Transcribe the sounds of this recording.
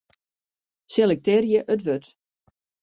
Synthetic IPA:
selɛk̚tɪːrjəʔətʋøt

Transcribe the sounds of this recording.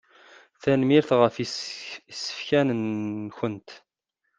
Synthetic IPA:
θænmiɾθʁəf | isːə̥fçænənçənt̪

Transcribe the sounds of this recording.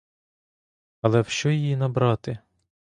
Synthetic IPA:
ɐlˠɛwʃt͡ʃɔjijinɐbɾɑt̪ɪ

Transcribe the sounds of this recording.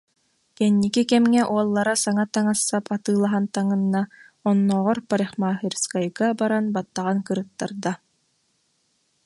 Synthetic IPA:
kɛnːikikɛmŋɛʔuɔlˠːaɾasaŋat̪aŋasːapʰat̪ɯːlˠaɦant̪aŋɯnːa | ɔnːɔːʁɔɾpaɾiχmaːɦiɾskajɡabaɾanbat̪ːaʁankɯɾɯt̪ːaɾd̪a

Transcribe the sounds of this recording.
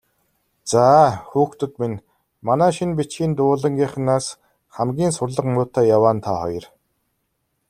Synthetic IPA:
t͡saːxuːxt̪ɵ̆t̪min | manæːʃinpit͡ɕxiːnt̪ʊːɮə̆ŋɡʲiχ̆naːs | χæmɡʲiːnsʊrɮə̆qmʊːt̪ʰaːjawaːnt̪ʰaːχɔjɞ̆r

